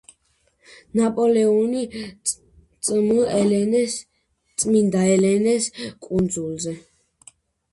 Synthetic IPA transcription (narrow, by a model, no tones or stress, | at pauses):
napʼɔlɛɔni | t̪sʼməɛ | t̪sʼmind̪aɛlɛnɛskʼund̪zulˠzɛ